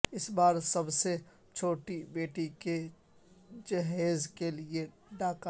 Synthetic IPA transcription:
ɪsbaːɾsɐbse | t͡ʃʰoːʈibeːʈike | d͡ʒɐɦeːzkelie | ɖaːk

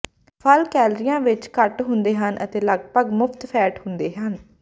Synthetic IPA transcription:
pʰəlkɛːlɾijãːʋɪt͡ʃkəʈɦʊnd̪eːɦənʔə̰t̪eːləɡpəɡmʊpʰt̪pʰɛːʈhʊnd̪eːɦən

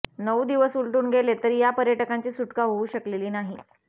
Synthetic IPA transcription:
nəwd̪iʋəsulʈuːnɡʱelet̪əɾiːjapəɾjəʈəkaɲt͡ɕiːsuʈkaɦouːɕəkleliːnaɦi

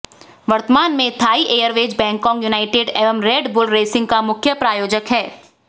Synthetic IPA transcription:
ʋɐɾt̪əmaːnmẽt̪ʰaːiʔeːəɾʋeːd͡ʒbɛ̃ːŋkɔ̃ːŋkjunaːɪʈɪːɖɛːʋəmɾeːɖbʊlɾeːsɪ̃ŋɡkamʊkʰjəpɾaːjoːd͡ʒəkɦɛː

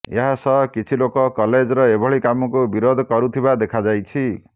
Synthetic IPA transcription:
ḛɦasɔkit͡ʃʰilokɔkɔled͡ʒɾɔebʱɔɭikamɔkubiɾod̪ʱkɔɾut̪ʰibad̪ekʰad͡ʒajt͡ʃʰi

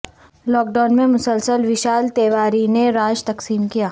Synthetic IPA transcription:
lɔːk̚ɖaːnmẽmʊsəlsəlʋɪʃaːlt̪eːʋaːɾineɾaːd͡ʒt̪ɐqsiːmkijaː

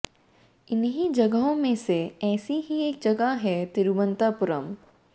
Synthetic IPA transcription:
ɪnɦid͡ʒɐɡəɦõmẽseɛːsiɦieːk̚d͡ʒɐɡaɦɛt̪ɪɾuʋə̃nt̪apʊɾə̰m

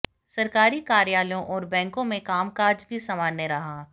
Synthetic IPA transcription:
sɐɾkaːɾikaːɾjaːljõʔɔːɾbɛ̃ːŋkõmẽkaːmkaːd͡ʒbʱisɐmaːnjəɾɐɦaː

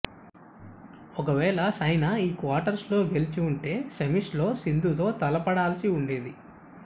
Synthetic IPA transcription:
ɔk̬ɐʋɛːɭɐsɐjnɐiːkʋaːʈɐɾslo̞ːɡe̞lit͡ʃiuɳʈe̞ːsemiʂlo̞ːsind̪ʱut̪o̞ːt̪ɐlɐpɐɽaːlɐsiuɳɖeːd̪i

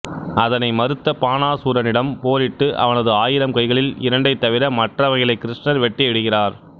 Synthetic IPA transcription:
ɐðɐnɐɪmɐɾɯt̪ːɐpaːnaːsuːɾɐnɪɽɐmpoːɾɪʈːɯʔɐ̰ʋɐnɐðɯaːjɪɾɐmkɐɪɣɐɭɪlɪ̰ɾɐɳɖɐɪt̪ːɐʋɪɾɐmɐʈrɐʋɐɣɪlɐɪkːɪɾɪʂnɐɾʋɛʈːɪɛɽɯɣɪraːɾ

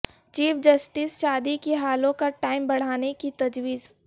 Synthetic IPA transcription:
t͡ʃiːpʰd͡ʒɐsʈɪsʃaːd̪ikeɦaːlõkaʈaːɪmbɐɽ̤aːnekit̪ɐd͡ʒwiːz

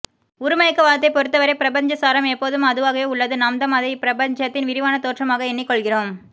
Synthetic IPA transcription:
ʊɾʊmɐjɐkːɯʋaːɾɐt̪ːɐɪpɔɾɯt̪ːɐʋɐɾɐɪpɪɾɐbɐɲd͡ʒɐsaːɾɐmɛpːoːðɯmɐðɯʋaːɣɐjeːʊɭːɐðɯnɐmd̪ɐmɐðɐɪpɪɾɐbɐɲd͡ʒɐt̪ːɪnʋɪɾɪʋaːnɐt̪oːʈrɐmaːɣɐɛnːɪkːɔɭɣɪroːm

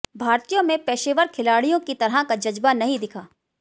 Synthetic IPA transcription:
bʱaːɾt̪ijõmẽpɛːʃeːʋəɾkʰɪlaːɽijõkit̪ɐɾɦakad͡ʒɐd͡ʒbanɐɦĩd̪ɪkʰaː

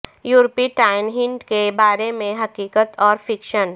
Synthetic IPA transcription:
juːɾpiʈaːɪnɦɪ̃ɳʈkebaːɾemẽɦɐkiːkət̪ɔːɾfɪkʃən

